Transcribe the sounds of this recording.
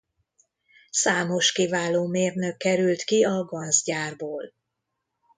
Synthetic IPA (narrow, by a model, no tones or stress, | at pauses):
saːmo̞ʃkivaːloːmeːrnøkːɛɾylt̪kiɒɡɒnzɟaːrboːl